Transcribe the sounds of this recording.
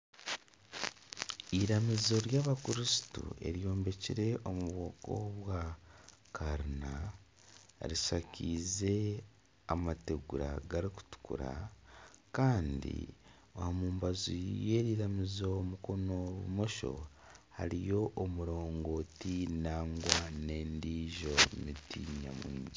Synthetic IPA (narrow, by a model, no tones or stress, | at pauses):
iɾamizo̞ɾjaːβakuɾisi̥tṵḛɾjo̞ːmbe̞ciɾe̞ʔomuβwoːko̰βwa | kaɾina | ɾiʃaciːze̞ | amate̞ɡuɾa̰ɡaɾiku̥tu̥kṵɾa̰ | kaːndḭ | ohamuːmbazuje̞ːɾiɾamizomuko̞no̞βṵmo̞ʃo̞̰ | ha̰ɾijo̞ʔomuɾo̞ːŋɡo̞ːtinaːŋɡwane̞ːndiːʒo̞mitiːɲa̰muːɲdi